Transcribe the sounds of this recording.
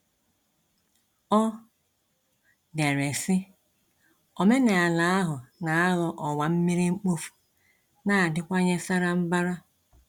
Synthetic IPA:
ɔ˦ | de˨ɾe˨sɪ˦ | o˨me˦ne˨a˨la˨a˦ɦʊ˨na˨a˦ɣɔ˨ʔɔ˨wa˨m̩˦mi˦ɾi˦ŋ͡m̩˦k͡po˦fu̥˨ | na˨a˨dɪ˦kʷa˦ɲe˦sa˦ɾa˦m̩˦ba˦ɾa˦

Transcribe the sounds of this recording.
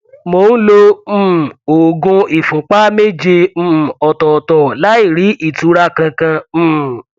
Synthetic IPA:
mo˧˦n̩˦lõ˧˦˨ | o˨ɡũ˧i˨fũ˨k͡pa˦me˦d͡ʒe˧m̩ː˦˨ɔ˨tɔ˨tɔ˨la˨˦i˦˨ɾi˨˦ʔi˦˨tu˨˦ɾa˦kã˧kã˧˦˨

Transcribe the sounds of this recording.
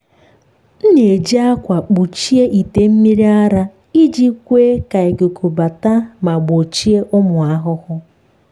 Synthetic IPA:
n̩˦ne˨d͡ʒi˦a˦kʷa˨k͡pu˨t͡ʃi˦e˦ʔi˨te˦m̩˦mi˦ɾi˦a˦ɾa˦ | i˦d͡ʒi˦kʷeː˦ka˨e˨ɡo˨kʰu˨ba˨ta˦ma˨ɡ͡bo˨t͡ʃi˦e˦ʔʊ˦mʊ˨a˦ɦʊ˦hʊ˦

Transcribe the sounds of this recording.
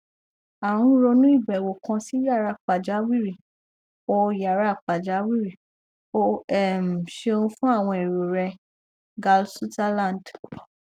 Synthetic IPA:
a˨wũ˧˦ɾo˧nũ˦i˦˨bɛ˨wo˨kã˧si˦ja˦˨ɾa˧˨k͡pa˨d͡ʒa˨˦wi˦˨ɾi˨ | o˧ja˨ɾa˧˦˨k͡pa˨d͡ʒa˨˦wi˦ɾi˨ | o˦ɛ˦˨m̩˨ʃe˧o˧ũ˧fũ˦a˦˨w̃ɔ̃˧e˨ɾo˨ɾɛ˧ | ɡa˧lsu˦ta˦lã˦˨nd

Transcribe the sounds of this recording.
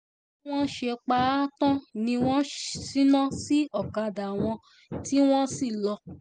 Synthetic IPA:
w̃ɔ̃˦ʃe˧k͡pa˧˦tã˦nĩ˧w̃ɔ̃˦si˦nã˦si˦ɔ˦˨ka˧˨da˨w̃ɔ̃˧ | ti˦w̃ɔ̃˦si˦˨lɔ˧

